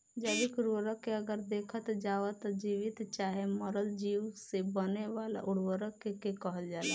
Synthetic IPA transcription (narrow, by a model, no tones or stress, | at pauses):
d͡ʒəbikʊɽwəɾəkːeɐɡəɾd̪eːkʰət̪d͡ʒaːʋat̪d͡ʒiːʋɪt̪t͡ʃaːɦemɔɾəld͡ʒiːwsebəneʋaːla̰ʔʊɽ̤wəɾəkekekəɦəld͡ʒaːla